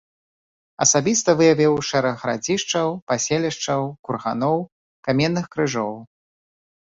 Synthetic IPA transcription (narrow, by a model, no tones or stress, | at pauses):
ɐsabʲist̪ɐvɨjavʲiwʂɛɾɛɣɣɾa̰d͡zʲiʂt͡ʂɐwpasʲɛlʲiʂt͡ʂɐwkurɣa̰nɔw | kamʲɛnːɨxkɾɨʐɔw